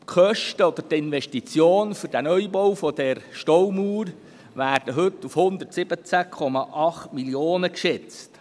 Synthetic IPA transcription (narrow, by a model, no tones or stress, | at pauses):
χœʃtəɔd̪ərtɪnʋɛʃtit͡sjoːnfʏɾdænœʏjbɔwfɔd̥̪ɛrʃtɔwmuːɾ | ʋæːrd̥əɦɵt̪ːufhʊnd̪ərtsɪb̥ət͡sækʰɔmɑʔɑχtmiljoːnəkʃɛt͡st